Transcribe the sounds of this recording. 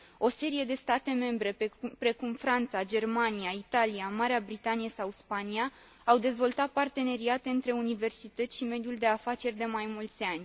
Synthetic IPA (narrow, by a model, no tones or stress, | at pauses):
o̞se̞ɾije̞d̪e̞st̪at̪e̞me̞mbɾe̞pɾe̞kumfɾant̪sad͡ʒe̞rmaniait̪aliamaɾeabɾit̪anijesawspania | awd̪e̞zvo̞lt̪at̪̚part̪e̞ne̞ɾiat̪e̞ɨnt̪ɾe̞unive̞rsit̪ət̪sʃime̞d̪juld̪e̞afat͡ʃe̞rʲd̪e̞majmult̪sʲanʲ